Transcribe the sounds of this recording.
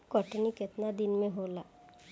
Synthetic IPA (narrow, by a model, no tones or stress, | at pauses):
kɔʈnikɪt̪nad̪ɪnmẽɦoːlaː